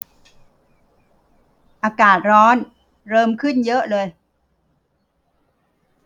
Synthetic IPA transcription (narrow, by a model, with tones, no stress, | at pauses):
ʔaː˧kaː˨˩t̪̚ɾɔː˦˥n | ɾɤː˧mkʰɯ˥˩njɤ˦˥ʔlɤː˧j